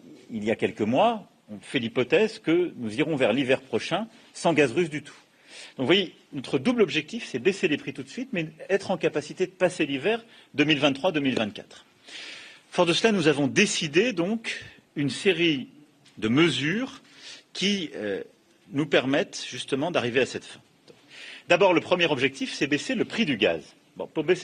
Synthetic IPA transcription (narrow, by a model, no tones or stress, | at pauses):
iljakʲɛlkəmwa | ɔ̃fɛlipɔt̪ɛzkənuziʁɔ̃vɛʁlivɛʁpχɔʃɛ̃ | sɑ̃ɡazʁysd̪yt̪ʰu̥ | d̪̥ɔ̃kvwaje | nɔt̪χəd̪ublɔbʒɛk̚t̪ifsɛbeselepχit̪ut̪sɥit̪mɛɛt̪χɑ̃kapasit̪ed̪əpaselivɛʁ | d̪əmilvɛ̃t̪t̪ːχwad̪əmilvɛ̃t̪̚kʲa̰t̪χ | fɔʁd̪əslanuzavɔ̃d̪esid̪ed̪ɔ̃k | ynseʁi | d̪əməzyʁ | kʲiø | nupɛʁmɛt̪ʒ̥yst̪əmɑ̃d̪aʁiveasɛt̪fɛ̰̃ | d̪abɔʁləpχəmjɛʁɔbʒɛk̚t̪ifsɛbeseləpχid̪yɡa̰z | bɔ̰̃puʁbes